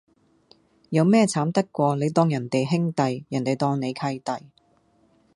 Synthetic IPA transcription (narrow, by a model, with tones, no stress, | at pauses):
jɐ˨˧wmɛː˥t͡sʰaː˨˥mt̪ɐ˥kːʷɔː˧le˨˧jt̪ɔː˥ŋjɐ˨˩nt̪e˨jɦɪ˥ŋt̪ɐ˨jjɐ˨˩nt̪e˨jt̪ɔː˧ŋne˨˧jkʰɐ˧jt̪ɐ˨j